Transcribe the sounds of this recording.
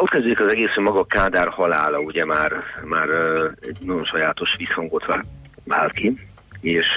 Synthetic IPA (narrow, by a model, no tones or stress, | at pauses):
ot̪̚kɛzd̪eikɒzɛɡeːsømɒɡɒkaːd̪aːrhɒlaːlɒuɟɛmaːrmaːrɛ̰ɟnɒɟo̞nʃɒjaːt̪o̞ʃʋishɒŋɡo̞t̪ʋaːva̰ːlki | eːʃ